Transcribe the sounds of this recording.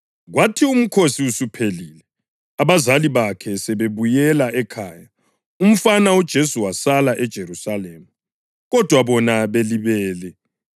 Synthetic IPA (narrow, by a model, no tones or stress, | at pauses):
ɣwatʰium̩kʰosiusupʰeliːlɛ | aβazaliβakʰɛsɛβeβujɛlaʔɛkʰaːja | um̩fanaud̥ʒ̥ʱesuwasalaʔɛd̥ʒ̥ʱeɾusaleːmu | ɣɔd̥ʱwaβɔnaβeliβɛːlɛ